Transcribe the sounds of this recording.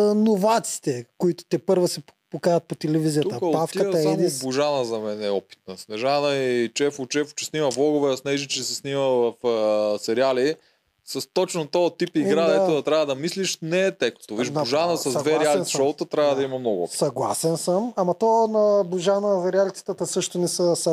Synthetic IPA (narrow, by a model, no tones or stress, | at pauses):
novat̪si̥t̪ɛkoit̪ʊ̥t̪ɛpɤɾvosɛpokajɐt̪̚pot̪ɛlɛvizijət̪uəkafkəɐɛd̪inbʊʒanəzɐmɛnɛɔpi̥t̪̚nɐsnɛʒanəit͡ʃɛfʊt͡ʃɛfʊ̥t͡ʃɛsnimɐblˠɔɡʊvɛɐsnɛʒit͡ʃɛsɛsniməvɐfsɛɾiali | sɐst̪ɔt͡ʃnot̪ɔət̪ipiɡɾad̪ɐɛt̪od̪ɐt̪ɾʲavəd̪ɐmisliʃnɛːt̪ɛkt̪oviʒb̪ʊʒanəsɐzd̪vɛɾialiʃɔt̪ət̪ɾʲavəd̪ɐimɐmnɔɡʊɔ̰isɐɡlˠa̰sɛnsəmamɐt̪ɔnɐbʊʒanəzɐɾialit̪si̥t̪ət̪əsɤʃt̪ʊnɛsəsɐ